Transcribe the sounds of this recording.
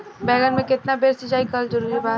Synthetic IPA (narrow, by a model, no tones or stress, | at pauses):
bɛːɡənmẽkɪt̪nabʱeːɾsid͡ʒaːikəld͡ʒɐɾuːɾibaː